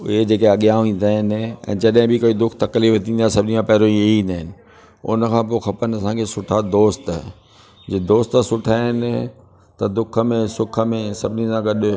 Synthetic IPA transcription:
ʊɦed͡ʑeːkeɐɠijãːĩːnd̪aːɦɪnɛ̰̃ːd͡ʑɐɗɦɪ̃bɪkoːid̪ʊkʰt̪ɐkliːft̪ʰĩːnd̪asɐbɪnimãpɛɦɾõieĩːn̆d̪aːɦɪnɪ̆ | ʊ̰nəkʰãːp̬oxɐpənɐsãːkʰesʊʈʰad̪oːst̪ː | d͡ʑeːd̪oːst̪sʊʈʰaɪn | t̪ɐd̪ʊkʰəmẽsʊkʰə̆mẽsɐbʱɪnisãɡɐɗ

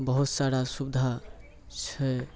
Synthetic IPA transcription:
bəɦut̪saɽasubd̪ʱa | t͡ʃʰɛ

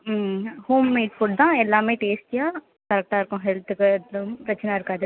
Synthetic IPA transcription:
hoːmːẽːʈpʊɽd̪ãɛlːamẽʈeːsʈ̚kija | t̪əɾk̚ʈaːɾkõɦɛlt̪ʰkəɾɐt͡ʃʰnaɾka

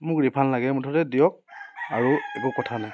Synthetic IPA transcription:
mʊkɹipʰanlaɡɛmʊtʰɔtɛdijɔk̚aɹuekukɔtʰanaj

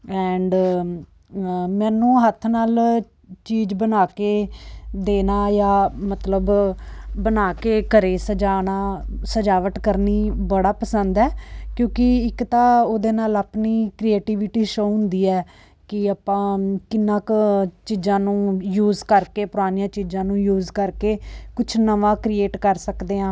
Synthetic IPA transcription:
ɛːɳɖ | mɛ̃ːnũːɦət̪ʰnaːl | t͡ʃiːbənaːkeːd̪eːnaːjaːmət̪ləb | bənaːkeːkəɾeːsəd͡ʒaːnaːsəd͡ʒaːʋəʈkəɾniːbəɽaːpəsənd̪ɛːkjõːkɪɪkt̪ãːoːd̪eːnaːləpniːkɾieːʈiːʋɪʈiːʃoːɦʊ̃nd̪iːɛː | kɪapãːkɪnːãːkt͡ʃiːd͡ʒãːnũːjuːzkəɾkeːpʊɾaːnijãːt͡ʃiːd͡ʒãːnũːjuːzkəɾkeːkʊt͡ʃʰnəʋãːkɾieːʈkəɾsəkd̪eːãː

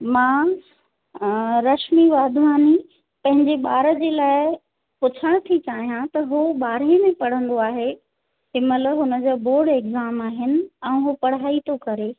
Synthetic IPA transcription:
mãː | ɾɐʃmiʋaːd̪ʱʋaːni | pɐ̃ɦɪ̃ɲd͡ʑeɓaːɾə̆d͡ʑeːlaːɪ | pʊt͡ɕʰəɽ̃ʊt̪ʰit͡ɕaːɦijãt̪ɐɦuɓaːɾemẽpɐɽ̤ə̃nd̪oaːɦe | ɦɪmələɦʊnə̆d͡ʑoːboːɽekzaːmaːɦɪnɪ̆ɛ̃ːɦupɐɽ̤aːit̪ʰokɐɾe

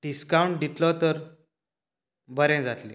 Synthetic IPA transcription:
ɖiskawuɳʈ̚d̪it̪lɔt̪əɾ | bəɾɛ̃d͡zat̪lḭ̃

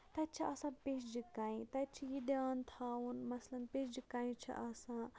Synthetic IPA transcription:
t̪ɐt̪̚t͡ʃʰiʔɐsãːpesd͡ʒikaĩt̪ɐt͡ʃʰijid̪ant̪ʰaunmɐslɐnpesd͡ʒikːaĩt͡ʃʰḭʔɐsãː

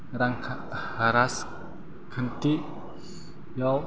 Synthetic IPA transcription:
ɾaŋkʰ | haɾas | kʰənt̪iʔ | jaw

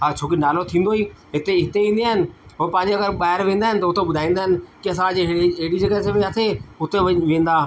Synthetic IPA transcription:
ɦaːt͡ɕʰoːk̬inaːlot̪ʰĩːnd̪oiː | ɦɪt̪eɦɪt̪eʋĩːnd̪iaːɦɪnɪ̆ɦoːpɐ̃ːɪ̃ɲd͡ʑeɐɡəɾɓaːɦɪɾʋẽːnd̪aːɦɪnɪ̆t̪ɐʊt̪ʰeɓʊd̪ʱaːĩːnd̪aɦɪnɪ̆kiɐs̬ãd͡ʑɪɦɽid͡ʑekasemɪ̃aːt̪ʰeʊt̪ʰeʋʋẽːn̆d̪aː

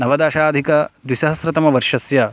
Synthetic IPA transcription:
nɐʋɐd̪aːʃaːd̪ʱikɐd̪wisɐɦɐsɾɐt̪ɐmɐʋɐɾʃɐsjɐ

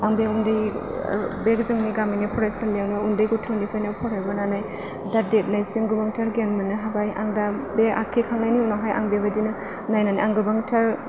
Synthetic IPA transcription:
aŋbeundɯj | bekzɯŋniɡaminipʰɔɾasanljawnɯundɯjɡutʰunipʰajnɯpʰɔɾhajbɔnanaj | dadet̚najsimɡɯbaŋtʰaɾɡenmɯnɯɦabaja̰ŋdabeʔa̰kʰekʰaŋnajniunaɦaja̰ŋbebadinɯ | najnaniʔaŋɡɯbaŋtʰaɾ

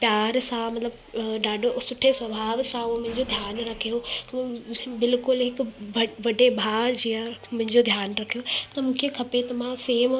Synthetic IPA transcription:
pjaːɾsãmɐt̪ləbɖaːɖsʊʈʰesʋɐbʱaːʋsãʊomʊ̃ɦɪ̃ɲd͡ʑod̪ʱjaːnɾɐkʰijo | bɪlkʊlɦɪkʋɐɖebʱaːd͡ʑiːãmʊ̃ɦɪ̃ɲd͡ʑod̪ʱjaːnɾɐkʰijot̪ɐmũːkʰekʰɐpet̪ɐmãseːm

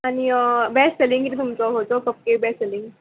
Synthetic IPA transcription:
añibɛsselĩŋkit̪ʰit̪umt͡sɔɦot̪ɔpəp̚kebɛsseliŋɡ

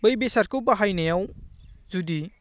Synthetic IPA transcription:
bɯjbesɐɾkuwbaɦajnejawzudi

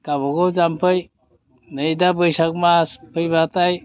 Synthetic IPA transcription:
kabɔɡowd͡ʒampʰɯj | nəjd̪abəjsak̚maspʰɯjbat̪aj

